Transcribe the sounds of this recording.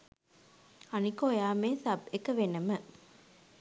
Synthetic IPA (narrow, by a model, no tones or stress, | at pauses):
ɐnikoːjaːmeːsɐbekːɐʋenɐmɐ